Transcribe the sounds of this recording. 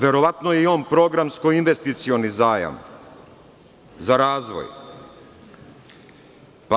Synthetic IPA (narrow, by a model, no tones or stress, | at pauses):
ʋe̞ɾo̞ʋat̪nojeionpɾo̞ɡɾamskoinʋest̪it̪sionizaːja̰m | zaɾaːzʋo̰j | pa